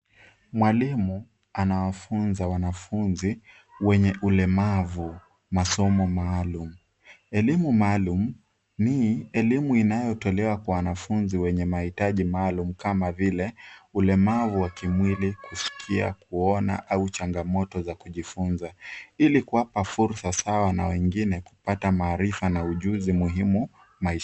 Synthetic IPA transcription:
mwalimu | anawafunzawanafunzi | wɛɲɛʔulɛmavu | masɔmɔmaːlum̩ | ɛlimumaːlum̩ | niɛlimuinajɔtɔlɛwakwawanafunziwɛɲɛmahitaʄimaːlum̩kamavilɛulɛmavuwakimwilikusi̥kʰia̰kuɔna̰ʔaut͡ʃaŋɡamɔtɔzakuʄifunzailikuwapafuɾsasawana̰wɛŋɡinɛku̥patamaːɾifanauʄuzimuɦimu | maiʃ

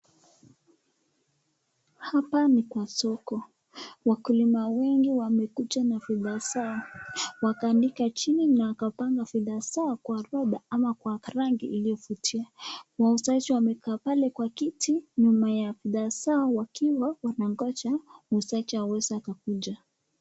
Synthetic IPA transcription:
hapanikwasɔkɔ | wakulimawɛŋɡiwamɛkut͡ʃanafɛðasaawakaːndikat͡ʃininaːkapaŋɡafɛðasaɔkwaɾaɗaamakwaɾaŋɡiʔilijɔfutʰiawausat͡ʃiwamɛkaːpalɛkwakitiɲumajafiðasaɔwakʰiwawanaŋɡɔt͡ʃamusat͡ʃihawɛzaːkakud͡ʒa

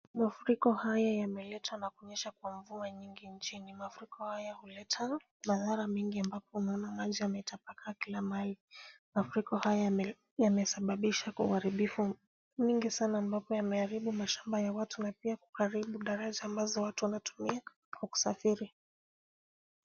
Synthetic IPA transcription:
mafuɾikɔhajajamɛlɛtʰwanakuɲɛʃakwaɱvuaɲiŋɡint͡ʃinimafuɾikɔhajahulɛtʰa | maðaɾamiŋɡiambapɔunaɔnamaʄiamɛtapakakilamalimafuɾikɔhaja | jamɛsaɓaɓiʃakaṵhaɾiɓifu | miŋɡisanaːmbapɔjamɛaɾiɓumaʃambajawatunapiaku̥kaɾiɓuɗaɾaʄaːmbazɔwatuwanatu̥mia | kaku̥safiɾi

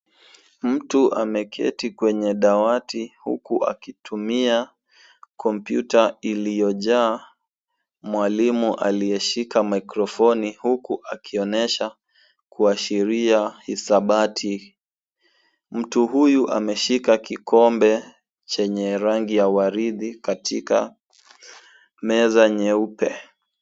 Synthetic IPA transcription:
m̩tuʔa̰mɛkʰɛ̰tikwɛɲɛɗawatihṵkuʔa̰kitʰumia | kɔmpjutailijɔʄaː | mwalimuʔa̰lijɛʃikamajkɾɔfɔnihukuʔakʰiɔnɛʃa | kuaʃiɾiahisaɓatʰi | m̩tuɦujuʔa̰mɛʃikakikʰɔmbɛ | t͡ʃɛɲɛɾaŋɡijawaɾiðikatʰika̰ | mɛzaɲɛupɛ

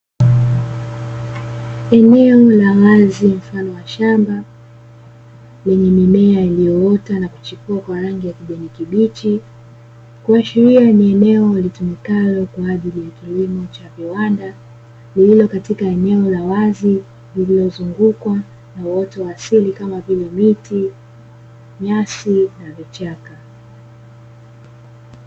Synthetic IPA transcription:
ɛnɛɔlawazim̩fanɔwaʃamba | lɛɲɛmimɛailijɔɔtanaku̥t͡ʃikuakwaɾaŋɡijakiʄɛnikiɓit͡ʃi | kuaʃiɾianiɛnɛɔlitumikalɔkwaaʄilijakilimɔt͡ʃaviwanda | lililɔkatikaɛnɛɔlawazi | lililɔzuŋɡukwa | nawɔtɔwaːsilikamavilɛmiti | ɲasinavit͡ʃaka

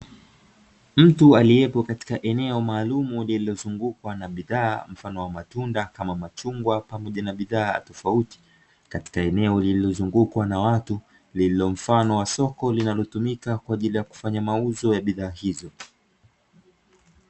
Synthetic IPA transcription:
m̩tualiɛpɔkati̥kaʔɛnɛɔmaːlumulililɔzuŋɡukwanaɓiðaːm̩fanɔwamatundakamamat͡ʃuŋɡwapamɔʄanaɓiða̰ːtɔfauti̥ | kati̥kaɛnɛɔlililɔzuŋɡukwanawatu | lililɔm̩fanɔwasɔkɔlinalɔtumikakwaːʄilijaku̥faɲamauzɔjaɓiðaːhizɔ

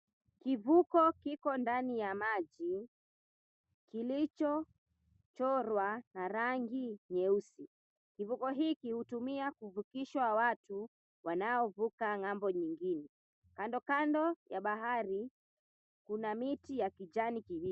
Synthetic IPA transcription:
kivukɔkikɔndanijamaʄi | kilit͡ʃɔ | t͡ʃɔɾwanaɾaŋɡiɲɛusi | kivukɔɦiːkihutumiakuvukiʃwawatu | wʔanaɔvukaŋambɔɲiŋɡinɛ | kandɔkandɔjaɓaɦaɾi | kunamitijakid͡ʒanikiwi

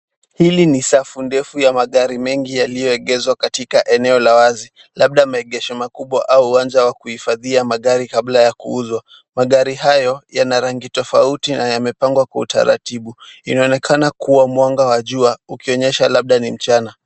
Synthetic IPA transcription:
hilinisafundɛfujamaɠaɾimɛŋɡijalijɔɛɠɛzwakatikaʔɛnɛɔlawazi | laɓ̚ɗamaɛɠɛʃɔmakuɓwaʔauːwand͡ʒawakuhifaðiamaɠaɾikablajakṵuzwa | maɠaɾiɦajɔjanaɾaŋɡitɔfautinajamɛpaŋɡwakwauta̰ɾa̰tiɓuinaɔnɛkʰanakuwamwaŋɡawaʄuaukiɔɲɛʃalaɓ̚ɗanim̩t͡ʃana

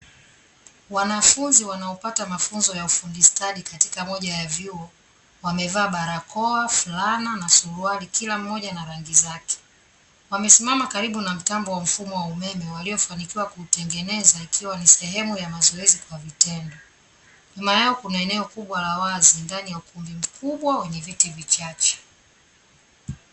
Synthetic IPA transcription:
wanafunziwanaɔpatamafunzɔjaufundistalikati̥kamɔʄajavjuɔ | wamɛvaːɓaɾakɔaflananasulualikilam̩ːɔʄanaɾaŋɡizakɛ̥ | wamɛsimamakaɾiɓunam̩tambɔwam̩fumɔwaumɛmɛwaliɔfanikiwakuːtɛŋɡɛnɛzaikʰiwanisɛɦɛmujamazɔɛzikwavitɛndɔ | ɲumajaɔkunaɛnɛɔkuɓwalawazindanijaukumbim̩kuɓwawɛɲɛvitivit͡ʃat͡ʃɛ̥

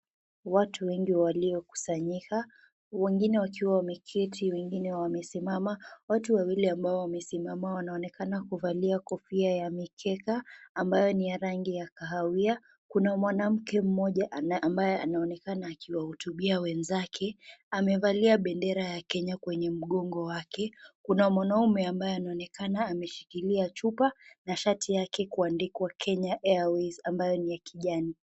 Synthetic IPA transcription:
watʰuwɛŋɡiwaliɔku̥saɲika | wɛŋɡinɛwakiwawamɛkʰɛtʰiwɛŋɡinɛwamɛsimamawatuwawiliambaɔwamɛsimamawanaɔnɛkanakuvaliakɔfiajamikʰɛkaːmbajɔnijaɾaŋɡijakaɦawia | kunamwanam̩kɛm̩mɔʄaʔnʔambajɛanaɔnɛkanaːkʰiwahutuɓiawɛnzakʰɛamɛvaliaɓɛndɛɾajakɛɲakwɛɲɛm̩ɠɔŋɡɔwakɛkunamwanaumɛambajɔanaɔnɛkanaːmɛʃi̥kiliat͡ʃupanaʃatʰijakɛkuandikwakʰɛɲaʔɛawizambajɔnijakiʄani

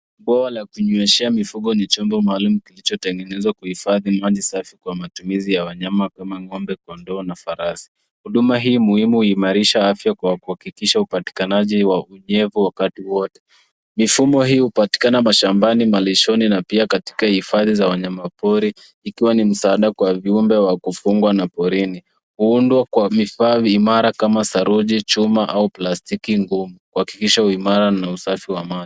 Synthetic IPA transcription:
ɓwawalakuɲuɛʃɛamifuɠɔnit͡ʃɔmbɔmaːlumukilit͡ʃɔtɛŋɡɛnɛzwakuhifaðimaʄisafikwamatumizijawaɲamakamaŋɔmbɛkɔndɔːnafaɾasi̥ | huɗumaɦiːmuhimuhːmaɾiʃaafjakwakuhakikiʃaupati̥kanaʄiwauɲɛvuwakatiwɔtɛ̥ | mifumɔɦiːhupati̥kanamaʃambanimaliʃɔninapiakati̥kahifaðizawaɲamapɔɾiː | kiwanim̩saaɗakwaviumbɛwakufuŋɡwanapɔɾini | huundwakwamifaːmaɾakamasaɾuʄit͡ʃumaʔauplastikiŋɡumukuhaki̥kiʃauimaɾanausafiwamai

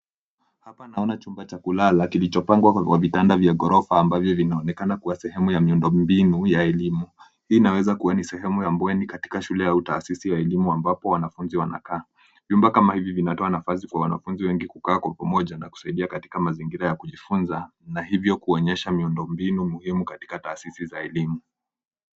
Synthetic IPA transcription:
hapanaɔnat͡ʃumbat͡ʃakulalakilit͡ʃɔpaŋɡwawavitandavjaɠɔɾɔfaːmbavjɔvinaɔnɛkanakuwasɛhɛmujamiundɔmbinujaɛlimu | hiːnawɛzakuwanisɛɦɛmujambwɛnikati̥kaʃulɛjautaːsisijaɛlimuambapɔwanafunziwana̰kaː | vjumbakamahivivinatɔanafas̬ikwawana̰funziwɛŋɡikukaːkwapamɔʄanaku̥saiɗiakati̥kamaziŋɡiɾajakuʄifunza | nahivjɔkuɔɲɛʃamiundɔmbinumuhimukati̥kataːsisizaɛlimu

